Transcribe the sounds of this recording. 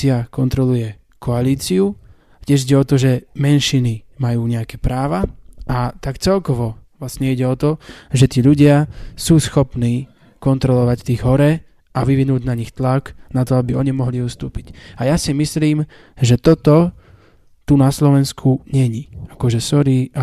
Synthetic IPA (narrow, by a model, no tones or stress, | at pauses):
iakɔnt̪ɾɔlujɛ | kʰɔaliːt͡siu | cɪɛʒiɟɛɔt̪ɔʒɛmɛnʃinimajuːɲɛakɛpɾaːʋaʔat̪akt͡sɛlkɔʋɔʋlasɲɛiɟɛɔt̪ɔʒɛt̪iːʎuɟɪasuːsxɔpniː | kɔnt̪ɾɔlɔʋact̪iːɣɦɔɾɛ | aʋiʋinuːɟnaɲixt̪laknat̪ɔabiɔɲimɔɦliust̪uːpicajasimisliːm | ʒɛt̪ɔt̪ɔ | t̪unaslɔʋɛnskʰuɲɛɲiakɔʒɛsɔɾiːa